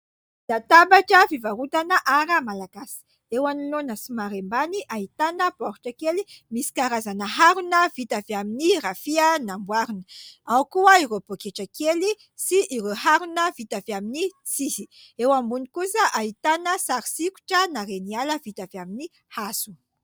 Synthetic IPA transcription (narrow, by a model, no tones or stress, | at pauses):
d̪̥at̪abaʈ͡ʂəfivaɾut̪anəʔaɾəmalaɡasi̥ | ewanilonəsimaɾembaniʔaɦit̪anəb̥ɔɾu̥ʈ͡ʂəkelimisi̥kaɾazanəɦaɾunəvit̪avaminirafiənambwaɾunə̥awkuaiɾobokeʈ͡ʂakeli | siʔːɾoɦaɾunəvit̪aviaminit͡sisi | ewambunikusəʔait̪anəsaɾisiku̥ʈ͡ʂənaɾenialəvit̪avamini | hasu̥